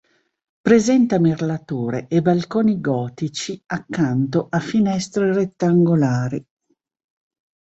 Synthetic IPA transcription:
pɾezɛnt̪amerlat̪oːɾeʔebalkoːniɡɔːt̪it͡ʃiakːant̪oʔafinɛst̪ɾeret̪ːaŋɡolaːɾi

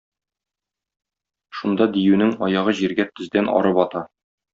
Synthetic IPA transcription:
ʃund̪ɑd̪ijʉnɘŋɒjɑʁɤʑiɾɡæt̪ɵ̆zd̪ænʔɒ̰ɾɤpɒt̪ɑ

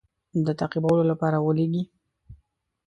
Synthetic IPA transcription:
d̪ət̪aqibawəlolapɑɾawəleɡi

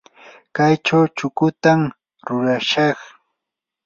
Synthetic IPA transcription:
kajt͡ʃawt͡ʃʊkʊt̪am | ɾʊɾaʃɑχ

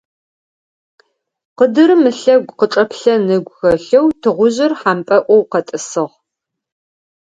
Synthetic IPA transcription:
qədɨɾɨmɨɬɐɡʷqəʈ͡ʂʼɐpɬɐnɨɡʷxɐɬɐwtʰɨʁʷʊʑɪrħampʼɐʔʷɔwqɐtʼɨsɨʁ

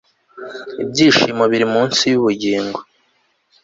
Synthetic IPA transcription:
ibɟiːʃimoβiɾimuːnsijuβuɟiːŋɡo

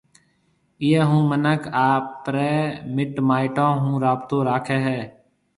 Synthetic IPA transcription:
ɪjeːɦũːmənəkʰaːpːɾeːmɪʈmaːɪʈãːɦũːɾaːbt̪õːɾaːkʰeːɦɛː

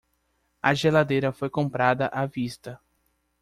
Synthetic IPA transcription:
ɐʒelad̪ejɾɐfojkõmpɾad̪ɐʔavist̪ɐ

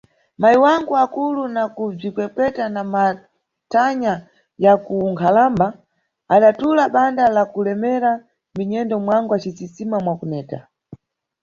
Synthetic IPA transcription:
maiwaŋɡuakulunakub͡ʐikwɛkwɛtanama | tʰaɲa | jakuŋkʰalamba | aɗatulaɓandalakulɛmɛɾa | miɲɛndɔmwaŋɡwat͡ʃit͡sisimamwakunɛːta̰

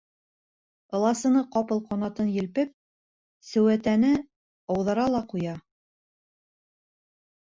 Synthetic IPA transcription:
ɤ̆lˠɑsɤ̆nɤqɑpɤlˠqɒnɑt̪ɤnjɘ̆lpɘp̚ | sɵ̆wæt̪ænɘ | ɑwðɑɾɑlˠɑqujɑ

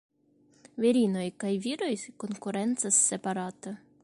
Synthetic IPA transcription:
vʲeɾʲinojkajvʲiɾojkonkuɾent̪sɐsːepaɾat̪ɐ

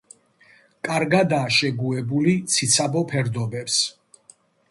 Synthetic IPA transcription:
kʼaɾɡad̪aːʃɛɡuɛbulit̪sʰit̪sʰabɔpʰɛɾd̪ɔbɛps

